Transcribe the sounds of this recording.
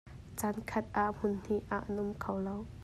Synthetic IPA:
t͡sankʰɐt̪̚ʔaʔm̥ʊnn̥iʔaʔɐnʔʊmkʰɐwlow

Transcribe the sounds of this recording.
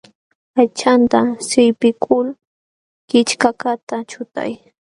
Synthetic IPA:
ajt͡ʃant̪asɪjpɪkʰʊl | kɪt͡ʃkakat̪at͡ʃʊt̪a̰j

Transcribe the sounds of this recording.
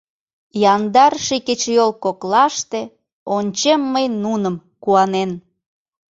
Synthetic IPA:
jɑnd̪ɑrʃiket͡ɕjolkoklɑʃt̪e | onʲt͡ɕemːəjnunəm | kuɑnen

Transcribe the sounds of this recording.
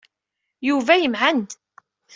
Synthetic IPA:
juvæjəmʕand̪

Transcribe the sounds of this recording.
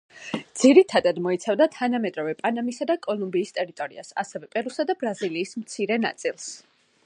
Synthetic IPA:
dd̪z̥iɾit̪ʰad̪ad̪mɔit̪sʰavd̪at̪ʰanamɛd̪ɾɔvɛpʼanamisad̪akʼɔlˠumbiːst̪ʼɛɾit̪ʼɔɾḭa̰sa̰sɛvɛpʼɛɾusad̪abɾaziliːsmt̪sʰiɾɛna̰t̪sʼilˠs

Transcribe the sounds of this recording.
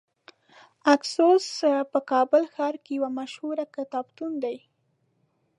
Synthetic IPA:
aksospəkɑbəlxɑɾkejawamaʃhuɾakɪt̪ɑbt̪und̪aj

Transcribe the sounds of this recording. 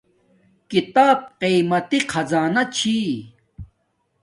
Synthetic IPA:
kit̪aːb̚qiːmɐt̪iqʰɐzaːnɐt͡ɕʰiː

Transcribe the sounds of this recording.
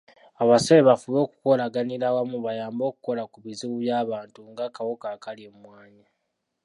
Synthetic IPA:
aβasoleβafulo̞ːku̥ko̞laɡaniɾawamuβajaːmbo̞ːku̥ko̞lakuβiziβuβjaːβaːntuŋɡakawokakaliemwaːɲa

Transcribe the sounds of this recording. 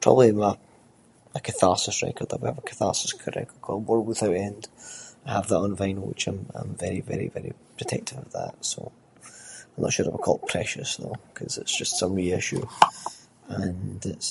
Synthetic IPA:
pʰɹ̥ɔ̰bəblˠimə | əkʰəθasəsɹɛ̰kə˞d̪̚ðəwaəvəkʰə̥θasə̥skʰəɹɛ̰kə˞kʰɔɹwə˞wɪθaʊʔɛ̃ndaɪəvðəʔə̃nvãɪ̃nwɪ̰t͡ʃãɪ̃mã̰ɪ̃ɱvɛɹivɛɹḭvɛɹḭpʰɹ̥ətʰɛk̚tʰɪvəvðə̰tso̰ | aɪmnə̰tʃʉɹaɪvəkʰɔl̚ˠpʰɹ̥ɛʃəsðo̰kʰʌzɪtsd̥ʒ̥ʌstsʌ̃mɹiɪʃʉ̰ | ə̃nɪts

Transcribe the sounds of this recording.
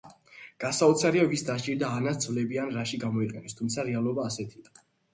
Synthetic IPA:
ɡ̥asaɔt̪sʰaɾiavisd̪aʃt͡ʃʼiɾd̪aːnat̪d̪zvlɛbianɾaʃiɡamɔiqʼɛnɛst̪ʰumt̪sʰaɾɛalˠɔbaːsɛt̪ʰia

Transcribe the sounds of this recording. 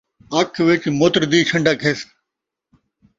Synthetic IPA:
ɐkʰʋɪt͡ʃmoːt̪ɾd̪iːɕʰɐ̃ɳɖʱakʰes

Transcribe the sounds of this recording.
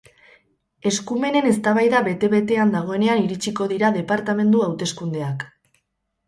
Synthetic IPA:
e̞skume̞ne̞ne̞st̪aβajðaβe̞t̪e̞βe̞t̪e̞and̪aɣ̞o̞e̞ne̞aniɾit͡ʃiko̞ðiɾaðe̞paɾt̪ame̞nd̪uawt̪e̞skund̪e̞ak

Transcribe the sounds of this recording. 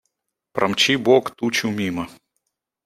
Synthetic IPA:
pɾʔɐmt͡ɕibokt̪ut͡ɕʊmʲimɐ

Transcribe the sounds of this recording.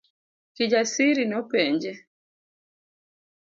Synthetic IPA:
kid͡ʒasiɾinɔpɛɲd͡ʒɛ

